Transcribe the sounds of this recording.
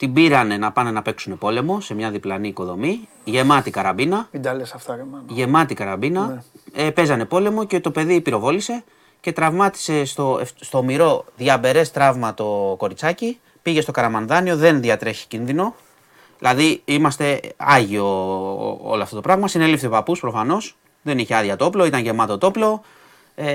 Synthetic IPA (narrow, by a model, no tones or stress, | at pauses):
t̪ibiɾɐne̞nɐpɐne̞nɐpe̞ksune̞po̞le̞mo̞se̞mɲɐðiplɐniːko̞ðo̞mi | ʝe̞mɐt̪ikɐɾɐbinɐid̪ɐlesɐft̪ɐmʝe̞mɐt̪ikɐɾɐbinɐepe̞zɐne̞po̞le̞mo̞ce̞t̪o̞pe̞ðipiɾo̞vo̞lise̞ | ce̞t̪ɾɐvmɐt̪i̥se̞st̪o̞efst̪o̞miɾo̞ðʝɐbe̞ɾe̞st̪ɾɐvmɐt̪o̞ko̞ɾit͡sɐci | piʝe̞st̪o̞kɐɾɐmɐnðɐnio̞ðe̞nðɐt̪ɾe̞çi̥cinðino̞ | ðilɐðiimɐst̪e̞ɐʝio̞ | o̰loɐft̪o̞t̪opɾɐɣmɐsine̞lifθepɐpuspɾofɐno̞s | ðe̞niçe̞ɐðjɐt̪o̞plo̞it̪ɐnʝe̞mɐt̪o̞t̪o̞plo̞ | e